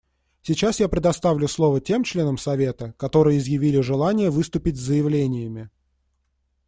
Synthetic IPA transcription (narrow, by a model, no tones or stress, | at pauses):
sʲɪt͡ɕasjapɾʲɪd̪ɐst̪avlʲʊslˠo̞vətʲe̞mt͡ɕlʲe̞nəmsɐvʲe̞t̪əkɐt̪o̞ɾɨjəɪzjɪvʲilʲɪʐɨlˠanʲɪjəvɨst̪ʊpʲɪtʲzːəjɪvlʲenʲɪjəmʲɪ